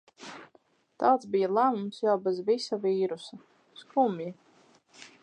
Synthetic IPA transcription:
t̪aːt̪sbijalˠæmumsjawbɛzvisaviːɾusa | skumji

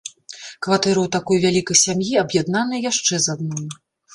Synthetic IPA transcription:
kvat̪ɛɾɐwt̪akɔjvʲalʲikɐjsʲamjiɐbjad̪nanɨjjaʂt͡ʂɛzad̪̚nɔj

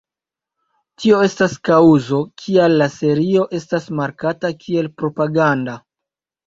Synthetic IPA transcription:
tʰio̞e̞staskauzo̞kʰialːase̞ɾio̞ʔe̞stasmaɾkatakʰie̞lpɾo̞paɡanda

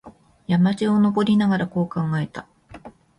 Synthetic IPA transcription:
jamad͡ʑio̞no̞bo̞ɾʲinaɡaɾako̞ːkãŋɡae̞t̪a

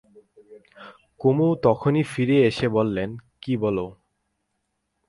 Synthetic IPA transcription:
komut̪ɔkʰonifiɾeeʃebolːenkibɔlo

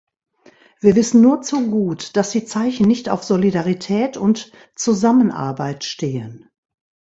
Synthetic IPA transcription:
v̥iːɐvɪsn̩nuːɐt͡suɡuːtd̥asd̥iːt͡saɪçn̩nɪçta̰ʊfz̥olidaʁitʰɛːtʰʊnt | t͡suzamənʔa̰ɐbaɪtʃteːən

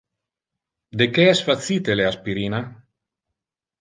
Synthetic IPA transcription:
d̪ekeɛsfat̪sit̪eleaspiɾina

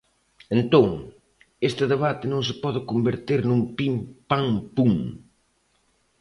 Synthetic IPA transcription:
ent̪oŋ | est̪ɪðeβ̞at̪ɪnõŋs̬ɪpɔðɪkombeɾt̪eɾnumpimpaŋpuŋ

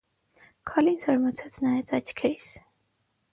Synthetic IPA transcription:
kʰɑlinsɑɾmɑt͡sʰɛt͡sʰnɑjɛt͡sɑt͡ʃʰkʰɛɾis

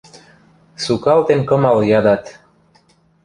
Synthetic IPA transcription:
sukalt̪enkəmaljad̪at̪

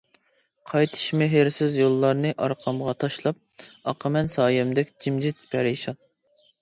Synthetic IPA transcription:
qʰɑjt̪ʰɨ̥ʃmeɦɪɾsɪzjolˠːɑɾnɨʔɑ̰ɾqʰɑmʁɑt̪ʰɑʃlˠɑp̚ɑqʰəmɛnsɑːjɛmd̪ɛkʲd͡ʒimd͡ʒit̪pʰæɾɪʃɑt̪̚

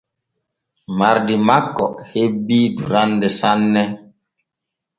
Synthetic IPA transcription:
maɾdimakːɔ̰hebidṵɾandɛsanːɛ

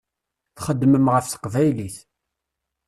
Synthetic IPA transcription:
θχəd̪ːməmʁəfθə̥qvæjliθ

